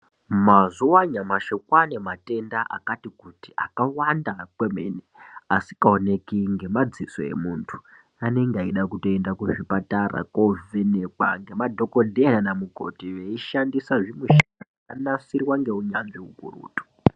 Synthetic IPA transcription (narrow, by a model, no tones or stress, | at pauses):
mazuwaɲamaʃokwane̞mate̞ndaʔa̰katikutiʔakawandakwemḛneasikaone̞kiŋɡe̞mad͡ziso̰e̞̰muntʰu̥ | ane̞ŋɡeaiɗakuto̞endakuʐipatara̰kovenekwa̰ŋɡe̞madʱo̞kodʱenanamuko̞̰tiʋe̞iʃandisaʐimweʃia | anasirwaŋɡe̞uɲanʐiukṵrṵːtu̥